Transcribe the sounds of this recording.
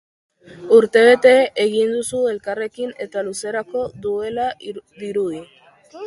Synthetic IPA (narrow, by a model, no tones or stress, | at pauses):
uɾt̪e̞β̞e̞t̪e̞ːɣind̪usue̞lkare̞kine̞t̪aluse̞ɾako̞ðue̞laðiɾuði